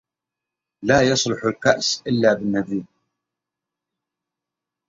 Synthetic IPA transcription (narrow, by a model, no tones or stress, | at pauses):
laːjɑsˤlʊħʊlkaʔsʔɪlːabɪnːad̪iːn